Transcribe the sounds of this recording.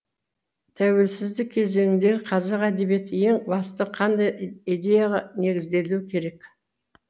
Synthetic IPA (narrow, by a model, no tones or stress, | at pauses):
t̪ʰæwe̞lsɪzd̪ɪk̚ʲʰe̞ze̞ŋɪnd̪e̞ɡʲɪqʰɑzɑqæd̪e̞bije̞t̪ɪje̞ŋbɑst̪əqʰɑnd̪ɑjijd̪e̞jɑʁɑne̞ɡʲɪzd̪e̞luɪkʲʰe̞ɾe̞k